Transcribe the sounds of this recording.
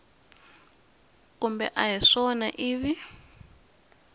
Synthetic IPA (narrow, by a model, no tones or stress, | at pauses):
kumbɛ̰ʔaɦiʂɔna̰ʔiːβi